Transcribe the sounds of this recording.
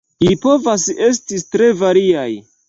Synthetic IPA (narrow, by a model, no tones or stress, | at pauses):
lipo̞vase̞s̬titɾe̞vaɾiaj